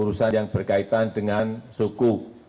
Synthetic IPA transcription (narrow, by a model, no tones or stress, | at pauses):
uɾusanjaŋb̥ərkait̪andəŋansuku